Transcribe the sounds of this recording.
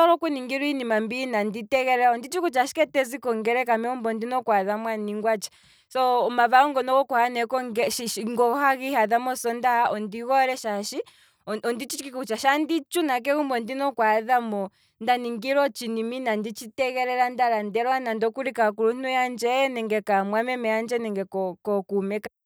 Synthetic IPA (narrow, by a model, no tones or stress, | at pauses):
ɔɾɔkuniŋɡiɾuinimambinanditɛɣɛɾɛɾaɔndit͡ʃikut͡ʃaʃi̥kɛtɛzikɔŋɡɛɾɛkamɛumbɔndinɔkwaðamwaniŋɡwat͡ʃi̥ | sɔmavaɔŋɡɔnɔɣɔkwhanɛkɔŋɡɛʃiŋɡɔhaɣihaðamɔsɔndaɔndiɣɔɾɛʃaʃi | ɔndit͡ʃit͡ʃkikut͡ʃaʃandit͡ʃunak̬ɛɣumbɔndinɔkwaðamɔ | ndaniŋɡiɾɔt͡ʃiniminandit͡ʃitɛɣɛɾɛɾandaɾandɛɾwanandɔkuɾikakuɾun̥ujand͡ʒɛnɛŋɡɛkamwamɛmɛjand͡ʒɛnɛŋɡɛkɔkɔkumɛka